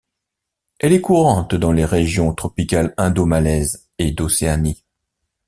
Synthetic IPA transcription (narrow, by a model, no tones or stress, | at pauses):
ɛlɛkuʁɑ̃t̪d̪ɑ̃leʁeʒjɔ̃t̪χɔpikalɛ̃d̪omalɛz | ed̪oseani